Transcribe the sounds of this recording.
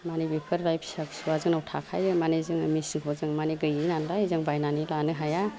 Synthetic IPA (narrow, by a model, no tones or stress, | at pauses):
manibipʰɯɾlajpʰsapsuwazɯŋnawtʰakʰajɾɯmanizɯŋa̰misiŋʰɔzɯŋmaniɡɯjinandajizɯŋbajnanilanɯɦaja